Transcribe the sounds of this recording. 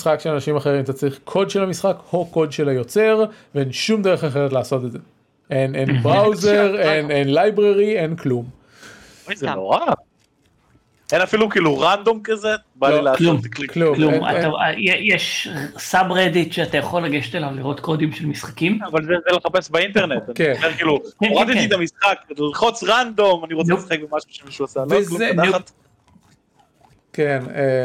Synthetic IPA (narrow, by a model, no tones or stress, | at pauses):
isχakʃeanaʃimaχe̞ʁimt̪at͡saʁiχkʰo̞d̪ʃelamisχakhoko̞d̪ʃelajo̞t͡se̞ʁveenʃumd̪eʁeχaχe̞ʁet̪laːso̞t̪edze | enʔenbʁawzeʁenenlajbʁeʁie̞nklum | ajzenoʁa | enafilukiːluʁand̪o̞mkaze | bailaːlumkklumkluma̰aa̰jejeʃsabʁed̪it̪ʃeatajaχolːaɡeʃe̥t̪elavliʁo̞t̪kod̪imʃelmisχḁkimavalzezeleχapesbaint̪eʁnet̪anikeeʁkiːlueʁat̪it̪it̪amisχaklilχot͡sʁand̪o̞maniʁot͡sesχeɡbemaʃuʃemiʃuasalounat̪ | kene